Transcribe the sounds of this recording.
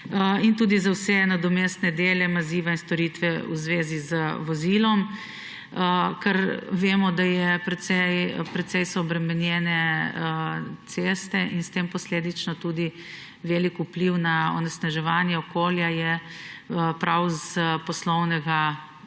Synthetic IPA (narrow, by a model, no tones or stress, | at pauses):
int̪uːd̪izawsɛnad̪ɔmeːst̪nɛd̪eːlɛmaziːʋainst̪ɔɾiːt̪ʋɛuzʋeːzizəʋɔzilɔm | kɛɾʋeːmɔd̪ajɛpɾɛt̪sɛjpɾɛt̪sɛjsɔːbɾɛmɛnjɛnɛət̪sest̪ɛʔinst̪empɔsleːd̪it͡ʃnɔt̪uːd̪i | ʋeːlikupliwnaɔ̰nɛsnaʒɛʋanjɛɔkoːljajɛ | pɾawzpɔslɔwnɛɡa